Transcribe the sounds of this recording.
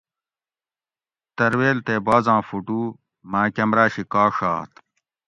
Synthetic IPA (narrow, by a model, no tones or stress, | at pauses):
t̪ɐɾweːlt̪eːbaːzãːfuʈuː | maːkɐmɾaːɕikaːʂa̰ːt̪